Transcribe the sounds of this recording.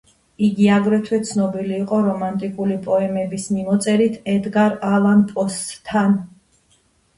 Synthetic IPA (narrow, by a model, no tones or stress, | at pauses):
iɡiaɡɾɛt̪ʰwɛt̪sʰnɔbiliːqʼɔɾɔmant̪ʼikʼulipʼɔɛmɛbismimɔt̪sʼɛɾit̪ʰɛd̪ɡaɾalˠanpʼɔst̪t̪ʰːan